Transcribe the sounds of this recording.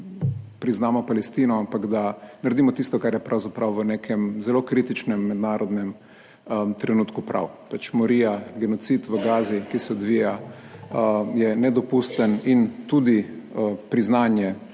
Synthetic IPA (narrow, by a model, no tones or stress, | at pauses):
pɾiznaːmɔpalɛst̪iːnɔampaɡd̪anaɾad̪iːmɔt̪ist̪ɔkaɾjɛpɾawzapɾawʋəneːkʰɛmzɛloːkɾit̪it͡ʃnɛmːɛd̪naːɾɔd̪nɛm | t̪ɾɛnuːt̪kupɾa̰wpat͡ʃmɔɾiːjaɡɛnɔt̪sit̪ʋəɡaːzikisɛɔd̪ʋiːja | jɛnɛd̪ɔpust̪ənint̪uːd̪ipɾiznaːnjɛ